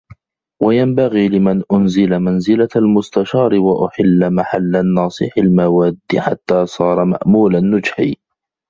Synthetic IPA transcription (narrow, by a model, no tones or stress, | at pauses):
wajambaɣiːlɪmanʔʊnzɪlamanzɪlalmʊst̪aʃɑːɾɪwaʔʊħɪlːamaħalːanːɑːsˤɨ̰ħalmawaːd̪ːɪħa̰t̪ːaːsˤɑːɾˤɑma̰ʔmuːlanːʊd͡ʒħiː